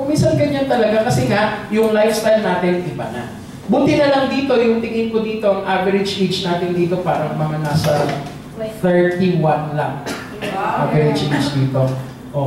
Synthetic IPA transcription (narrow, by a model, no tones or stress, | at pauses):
ʊminsɐnɡɐɲant̪ɐlɐɡakɐsɛhajʊŋlajfst̪ajlnaːt̪ɪnʔɪbanɐ̰ | buːt̪ɪnɐlɐŋd̪iːt̪o̞jʊŋt̪ɪŋɪnkod̪iːt̪o̞ʔɐŋʔavɛɾɪd͡ʒʔet͡ʃnaːt̪ɪnd̪iːt̪o̞paːɾɐŋmɐŋanaːsɐ | t̪ɛɹt̪iwanlɐŋ | ʔavɛɾɪd͡ʒʔet͡ʃd̪iːt̪o̞ | ʔo